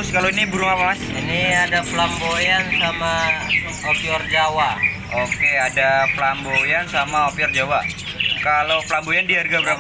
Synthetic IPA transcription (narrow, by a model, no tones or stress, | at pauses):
ʊskaloinibuɾʊŋapaas | iniadaplambojansama | ɔpiɔrd͡ʒawa | okeadaplambojansamaopiɔrd͡ʒawa | kaloplambojandiɦarɡabəɾap